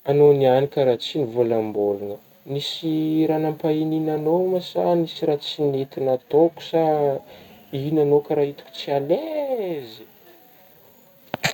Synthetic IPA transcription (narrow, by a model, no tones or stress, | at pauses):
anonianikʲaɾat͡sinivolambolunə | nisiɾanampaininanomasa̰nisiɾat͡sinet̪inat̪oku̥sa | inanokaɾait̪u̥kʲu̥t͡sialezi̥